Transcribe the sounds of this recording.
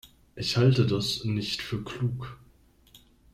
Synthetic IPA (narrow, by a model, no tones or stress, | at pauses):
ʔɪçhaltədasnɪçtfyːɐkʰl̥uːk